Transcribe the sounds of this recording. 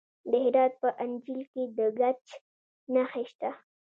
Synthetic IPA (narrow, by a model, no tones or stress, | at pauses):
d̪əhɪɾɑt̪̚pəʔand͡ʒilked̪əɡat͡ʃ | naxeʃt̪a